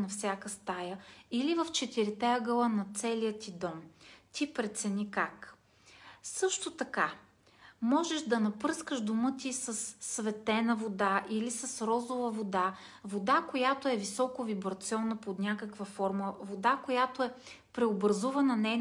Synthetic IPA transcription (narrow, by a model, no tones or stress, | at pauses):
nɐfsʲjakəst̪ajəilivɐft͡ʃɛt̪iɾit̪ɛəɡəlˠənɐt̪sɛlijət̪id̪ɔmt̪ipɾɛt̪sɛnʲikak | sɤʃt̪ot̪ɐka | mɔʒɛʃd̪ɐnɐpɤskəʃd̪omɤt̪isəsːvɛt̪ɛnəvod̪aʔilisɐsɾɔzovəvod̪a | vod̪akojat̪oɛvisɔkovibɾɐt̪siɔnːəpod̪nʲakəkvəfɔɾməvod̪akojat̪oɛ | pɾɛobɾɐzuvɐnɐnɛjn